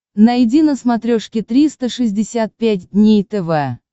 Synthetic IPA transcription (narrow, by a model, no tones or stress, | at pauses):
najdʲinəsmɐt̪ɾʲoʂkʲɪt̪ɾʲist̪əʂɨzʲdʲɪsʲat̪̚pʲæt̚ʲdʲnʲejt̪ɛvɛ